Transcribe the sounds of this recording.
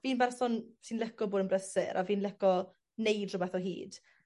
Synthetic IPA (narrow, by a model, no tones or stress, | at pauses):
viːnbɛrsɔnsinlˠɛkɔboːdənmbrəsɪɾʔa̰viːnlɛkɔ | nejdrʊbɛθɔɦḭːd̥